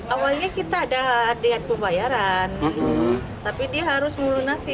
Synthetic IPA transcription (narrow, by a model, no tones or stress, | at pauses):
ʔawalɲakit̪aːdadiŋan̚pəmbajaɾan | t̪apidiaɦaɾʊsmulunasɪ